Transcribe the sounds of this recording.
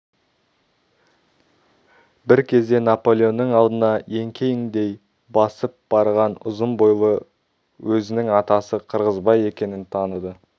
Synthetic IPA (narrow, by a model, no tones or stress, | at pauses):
bɪɾkʲʰe̞zd̪e̞napo̞lʲˠeo̞nːəɴɑlˠd̪ənɑje̞ŋkʲʰe̞jɪŋd̪e̞j | bɑsəp̚b̥ɑɾʁɑnʊ̰zəmbojlˠə | wɵzɪnɪŋɑt̪ɑsəqʰəɾʁəzbɑje̞kʲe̞nɪnt̪ʰɑnəd̪ə